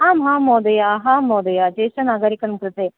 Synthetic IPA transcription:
ɦaːmɦãːmoːd̪ɐjaːɦãːmːoːd̪ɐjaːd͡ʒeːʃɐnaːɡaːɾikɐnmkɾɨt̪e

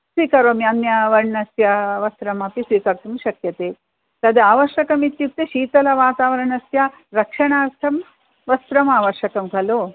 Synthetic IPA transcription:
sʋiːkɐɾomjɐnjɐʋɐɳɐsjɐʋɐst̪ɾɐmɐpisʋiːkɐɾt̪umʃɐkjɐt̪eː | t̪ɐd̪aːʋɐɾʃɐkɐmit̪juk̚t̪eʃiːt̪ɐlɐʋaːt̪aːʋɐɾɐɳɐsjɐ | ɾɐkʂɐɳaːɾt̪ʰɐm | ʋɐst̪ɾɐmaːʋɐɾʃɐkɐmkɐloː

